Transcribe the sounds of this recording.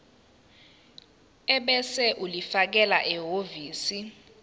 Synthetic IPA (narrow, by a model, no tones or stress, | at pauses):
ɛɓɛsɛʔulifak̬ɛlaʔɛɦoviːsi